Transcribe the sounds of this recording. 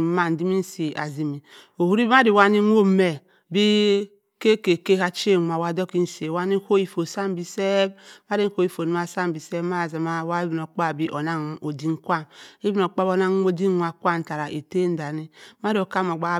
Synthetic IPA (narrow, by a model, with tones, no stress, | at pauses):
ma˦n̩˨di˦mi˦n̩˦si˨ʔa̰˨zi˨mi˨o˨hu˦ɾi˦ma˦di˨wa˦ni˦nʷ˦o˦me˨ | bi˦ | ke˦ke˨ke˦ha˦t͡ʃe˦˨ŋʷ˨a˨wa˨do˦ki˦n̩˦si˨e˨wa˦ni˦ho˦ji˨fo˨sa˦m˦bi˨se˦bma˦i˦n̩˦ho˦ji˨fo˨ni˦ma˦˨sa˦mbi˨se˦ma˦˨za˨ma˦˨wa˦e˦bi˨n˨o˨k͡pa˦˨bi˦ʔo˨na˦ŋo˨di˦ŋ˦kʷa˦˨ne˦bi˦n˨o˨k͡pa˦bo˨na˦ŋ˦o˦di˦a˨kʷa˦n̩˨ta˨ɾa˨ʔe˨te˦n˦da˨ni˦ma˦ɾo˨ka˦˨m˨o˨ɡ͡ba˦